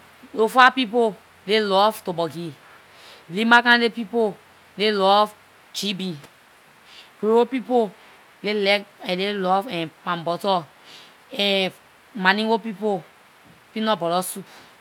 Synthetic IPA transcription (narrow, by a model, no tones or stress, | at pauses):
lofapipo | lelɔftobɔɡi | limakãlepipo | lelɔv | t͡ʃibi | kewopipo | lelɛkɛlelɔfɛ̃pãmbɔtɔ | ɛ̃ | manĩwopipo | pinɔbɔlɔsup